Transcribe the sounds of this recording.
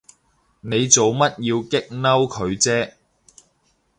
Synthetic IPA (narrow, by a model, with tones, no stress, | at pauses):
ne˨˧jt͡so˨wmɐ˥t̚jiː˧wkɪ˥k̚nɐ˥wkʰɵ˨˧ɥt͡sɛː˥